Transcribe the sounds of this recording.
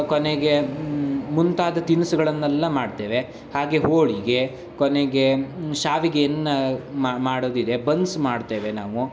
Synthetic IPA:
koneɡe̞ | munt̪aːd̪ɐt̪inusuɡɐɭɐnːɛlːɐmaːɖt̪e̞ːʋe̞ | haːɡe̞ɦoːɭiɡe | koneɡe̞ʃaːʋiɡejɐnːɐamaːɽoːd̪id̪e̞bɐnsmaːɖt̪e̞ːʋenaːʋu

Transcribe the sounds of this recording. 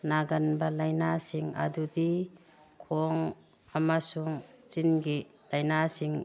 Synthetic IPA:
naɡanbalajnasiŋa̰dudi | kʰɔŋ | amasuŋt͡ʃinɡi | lajnasiŋ

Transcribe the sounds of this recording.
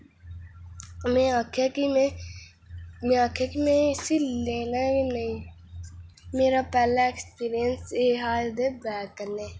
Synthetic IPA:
mẽakʰaki | mẽaːkʰjakimẽɪsileːnainɐĩ | meːɾapɛːlaekspiːɾijənseːɦaːd̪ebɛːkːəɾneː

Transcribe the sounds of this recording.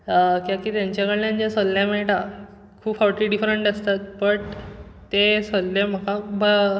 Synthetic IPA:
kĩakiːt̪jãɲt͡ɕakəɭlãnd͡ʑãsolːjãmeɭʈa | kʰuːpfawʈiːɖifɾeɳʈəst̪at̪̚pəɽt̪esolːem̤əkãbə

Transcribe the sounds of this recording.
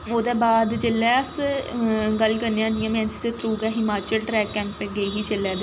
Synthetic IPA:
oːd̪ɛːbaːd̪d͡ʒəlːɛːəs | ɡəlkəɾnẽːãːd͡ʒɪjãːmɛ̃ːt͡ʃɪseːt̪ʰɾuːɡɛːɦɪmaːt͡ʃəlʈɾɛːkɛ̃ːmpeɡəiːɦiːt͡ʃəlːɛːd̪eː

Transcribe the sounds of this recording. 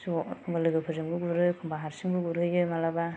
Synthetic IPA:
suɔkʰɯŋbalɯɡɯpʰɯzɯmɡɯɡuɾɯkʰɯŋbaɦaɾsɯmɡɯɡuɾɯjɯmalaba

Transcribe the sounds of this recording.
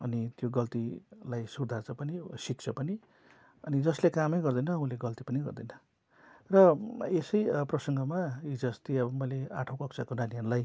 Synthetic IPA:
ʌnit̪joɡʌlt̪ilajsurd̪ʱart͡sʰʌpʌnisik̚t͡sʰʌpʌni | ʌnid͡zʌslekamʌjɡʌrd̪ʌjnʌːũleɡʌlt̪ipʌniɡʌ̰rd̪ʌjnʌ | rʌesʌjprʌsʌŋɡʌmaid͡zʌst̪iʌbʌmʌjlea̰ʈʰõw̃kʌk̚t͡sʰakonanianulaj

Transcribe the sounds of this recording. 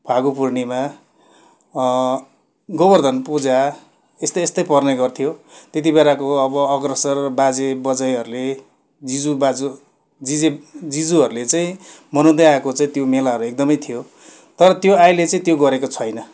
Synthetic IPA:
bʰʱaɡupurnima | ɡʌbʌrd̪ʱʌnpud͡za | est̪ʌːst̪ʌjpʌrneɡʌrt̪ʰijot̪jet̪̬ibeɾakoʌbʌʌɡrʌsʌrʌbad͡zebʌd͡zʌjɦʌɾule | d͡zid͡zubad͡zu | d͡zid͡zed͡zid͡zuɦʌɾulet͡saĩmʌnõd̪eaekot͡saĩt̪jomelaɦʌɾuek̚d̪ʌmʌjt̪ʰijo | t̪ʌɾʌt̪joajlet͡saĩt̪joɡʌɾekot͡sʰʌjnʌ

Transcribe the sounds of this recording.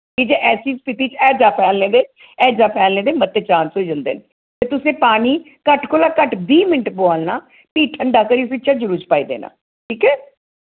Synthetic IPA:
kid͡ʒeːʔɛːsiːspɪt̪iːt͡ʃɛːd͡ʒaːpʰɛːlnẽːd̪eː | ɛːd͡ʒaːpʰɛːlneːd̪eːmət̪ːeːt͡ʃãːnsɦoːid͡ʒənd̪ḛːne | t̪eːt̪ʊsẽːpaːniː | kəʈkoːlaːkəʈbiːmɪnəʈboaːlnaː | piːʈʰəɳɖaːkəɾiːsʋɪtːt͡ʃaːd͡ʒəɾuːt͡ʃpaːiːd̪ḛːnã̰ː | ʈʰiːkɛː

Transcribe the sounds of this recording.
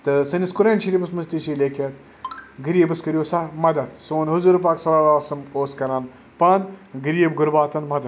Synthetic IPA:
t̪ɨsɐniskuɾeːnʲʃiɾipɨsmɐst̪iʃiːlʲekʰɐt̪ | ɡɨɾiːbɨskəɾʲjoːsɐmɐd̪ɐt̪soːnɦuzuɾpaːksɐɾaːlaːsɐmoːskɐɾaːn | pɐnɡɨɾiːəbɡʊɾbaːt̪ɐnmɐd̪ɐ

